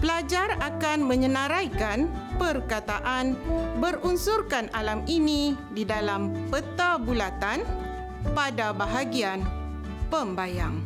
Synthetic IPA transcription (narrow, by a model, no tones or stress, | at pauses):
pəlad͡ʒarakanmə̃ɲə̃nãɾajkanpərkat̪aʔanbərunsurkanʔalaminĩdidalampət̪abulat̪an | padabaɦaɡian | pəmbajaŋ